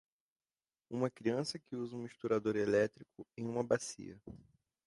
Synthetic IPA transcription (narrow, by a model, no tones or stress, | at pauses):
ũmɐkɾiɐ̃sɐkɪuzɐũmiʃt̪uɾad̪oɾelɛt̪ɾikʊẽj̃ũmɐbasḭɐ